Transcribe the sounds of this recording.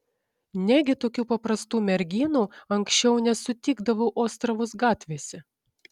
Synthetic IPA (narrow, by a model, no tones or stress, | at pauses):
nʲɛɡʲɪt̪oːkʲuːpɐpɾɐst̪uːmʲɛɾʲɡʲiːnuːɐŋʲksʲt͡ʃʲɛʊnʲɛsʊt̪ʲiːɡd̪ɐʋoʊʔoːst̪ɾɐʋʊsɡɑːt̪ʲʋʲeːsʲɛ